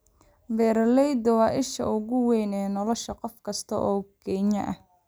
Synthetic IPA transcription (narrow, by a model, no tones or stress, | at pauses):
bɛːɾlɛjd̪ɔwɑːʔɪʃɐ̰ʊɣʊwɛjnɛːnɔlɔʃɐqɔfkʰɐst̪ʰɐ̰ʔɔːɡʰɛːɲɐ̰ʔɐh